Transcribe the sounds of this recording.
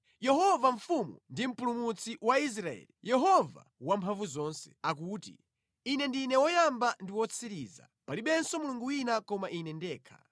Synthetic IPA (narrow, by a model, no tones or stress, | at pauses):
jɛɦɔvaɱ̩fumṵndim̩pulumut͡sʰiwais̬ɾaɛ̰ːlijɛɦɔva̰ | wampʰaɱvuzɔːnsɛ̥akuːtḭ | inɛndinɛwɔjambandiwɔt͡sʰiɾiːza̰paliɓɛnsɔmuluŋɡuwinakɔmaʔinɛndɛːkʰa̰